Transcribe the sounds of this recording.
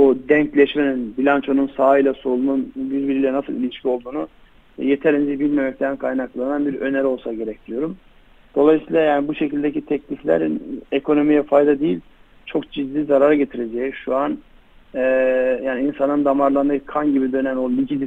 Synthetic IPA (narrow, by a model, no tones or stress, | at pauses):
ud̪ɛɲclʲɛʃmeninbilʲant͡ʃʰo̞nunsaːɯijlʲˠasolˠununbiɾbiɾilʲɛnasɯlˠilʲiʃcʰio̞lˠd̪uːnu | ɛje̞t̪ʰæɾind͡ʒbilʲme̞mɛc̚t̪ʰænkʰajnaklˠananbiɾø̞neɾo̞lˠsaɟe̞ɾɛc̚d̪ijo̞ɾum | d̪̥o̞lˠajsiːlˠajaːnibuʃe̞cʰilʲd̪ecit̪ʰɛclʲiflʲæ̰ɾinekʰo̞no̞mijɛfajd̪ad̪ejilʲ | t͡ʃʰo̞kd͡ʒid̪ːiːzaɾaɾɟe̞t̪ʰiɾe̞d͡ʒɛjiʃuan | ɛjaːniinsanɯnd̪amaɾlˠanɯkʰanɟibid̪ø̞nænolʲicid̪i